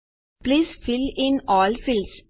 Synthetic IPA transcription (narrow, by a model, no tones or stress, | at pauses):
b̥lisfilɪnɒlfils